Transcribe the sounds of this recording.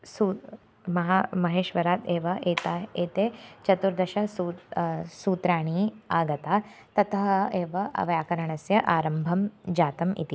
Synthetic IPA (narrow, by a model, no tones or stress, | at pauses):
su | mɐɦamɐɦeːʃʋɐɾaːt̪eːʋɐʔeːt̪aːeːt̪eːt͡ʃɐt̪uɾd̪ɐʃɐsuːsuːt̪ɾaːɳiːaːɡɐt̪aː | t̪ɐt̪ʰɐɦɐeːʋɐʔɐ̰ʋɐjaːkɐɾɐɳɐsjɐʔaːɾɐmbʱɐmd͡ʒaːt̪ɐmḭt̪i